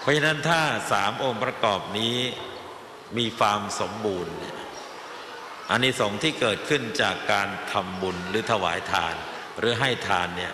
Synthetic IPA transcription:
pʰɔ˦˥t͡ɕʰa˧na˦˥nt̪ʰaː˥˩saː˩˦mʔoː˧ŋpɾa˧kɔː˨˩p̚niː˦˥ | miː˧kʰaː˧mso˩˦mbuː˧nːi˥˩ɐ | ʔa˧nːiː˦˥sɔː˩˦ŋt̪ʰiː˥˩kɤː˨˩t̪̚kʰɯ˥˩nt͡ɕaː˨˩kːaː˧nt̪ʰa˧mbu˧nɾɯː˩˦t̪ʰa˧wa̰ː˩˦jt̪ʰaː˧n | ɾɯː˩˦ɦa˥˩jt̪ʰaː˧nːi˥˩ɐ

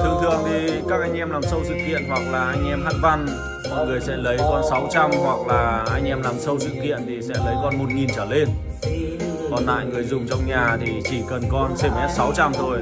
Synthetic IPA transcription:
t̪ʰɨ˨˩əŋt̪ʰɨ̰˨˧˨əŋt̪ʰi˨˩kaː˦˥k̚ʔa˧jŋ̟ʔɛ˧mlaː˨˩msə˧wsɨ̰˧˨kːḭ˧˨ənɦwa˨˩k̚laː˨˩ʔa˧jŋ̟ʔɛ˧mhaː˦˥t̚va˧n˨ | ŋɨ˨˩əjsɛ̰˧˥lə˨˦jkɔ˧nsa˨˦wt͡ɕa˧mhwa˨˩k̚laː˨˩ʔa˧jŋ̟ʔɛ˧mlaː˨˩msə˧wsɨ̰˧˨kːḭ˧˨ənt̪ʰi˨˩sɛ̰˧˥lə˨˦jkɔ˧nmo˨˩t̚ŋi˨˩nt͡ɕəː˧˩le˧n | kɔ˨˩nla̰ː˧˨jŋɨ˨˩əjzʊ˨˩ŋ͡mt͡ɕɔ˧wŋ͡mɲaː˨˩t̪ʰi˨˩t͡ɕi˧˩kə˨˩nkɔ˧nse˧˩mʔɛ˦˥t̚sa˨˦wt͡ɕa˧mt̪ʰo˧j

